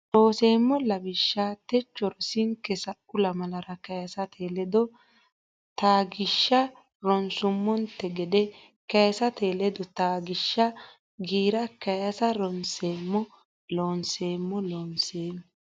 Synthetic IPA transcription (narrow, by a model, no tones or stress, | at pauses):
ʔoːseːmːɔlɐbɪʃːaːt̪ɛt͡ʃːɔɾɔsɪŋkːɛsɐʔʊlɐmɐlɐɾɐkɐjɐsɐt̪ʰeːlɛd̪ɔ | t̪aːɡɪʃːɐ | ɾɔnsʊmːɔnt̪ɛɡɛd̪ɛ | kɐjɐsɐt̪e̞ːlɛd̪ɔt̪aːɡɪʃːɐ | ɡiːɾɐkɐjɐsɐɾɔnseːmːɔ | loːnseːmːɔloːnseːm